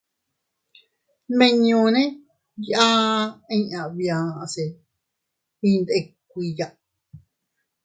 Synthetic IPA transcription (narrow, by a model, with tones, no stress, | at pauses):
mẽ˧ɲũ˧nẽ˦ | ja˦˧ĩ˧˦ã˨βijã˨˧se˨ | ĩ˧nd̪e˧k̚ʷi˧ja˧ʔ